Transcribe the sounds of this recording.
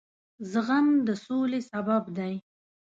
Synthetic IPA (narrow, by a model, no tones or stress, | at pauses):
zəɣamd̪əsolesababd̪aj